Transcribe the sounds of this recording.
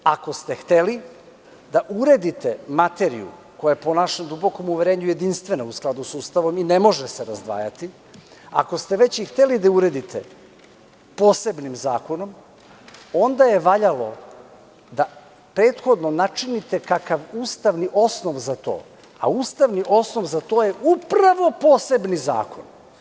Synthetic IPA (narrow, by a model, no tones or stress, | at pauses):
ako̞st̪e̞xt̪eli | d̪aʔuɾed̪it̪emat̪e̞ɾḭṵkojajepo̞naʃemd̪ubo̞ko̞muʋeɾe̞ːɲuje̞d̪inst̪ʋe̞nausklˠad̪usuːst̪aʋo̞mine̞mo̞ʒeseɾazd̪ʋa̰ːjat̪i | a̰ko̞st̪e̞ʋet͡ɕixt̪elid̪auɾe̞d̪it̪ʰḛ | po̞ːse̞bnimzaːko̞no̞m | o̞nd̪aje̞ʋaʎalo̞̰ | d̪a | pɾe̞ːt̪xo̞d̪no̞nat͡ʂinit̪e̞kakaʋuːst̪aʋniʔo̞sno̞ʋzat̪o̞̰ː | a̰uːst̪aʋniʔo̞sno̞ʋzat̪o̞ːjeʔupɾaʋo̞po̞ːse̞bniza̰ːkʰo̞̰n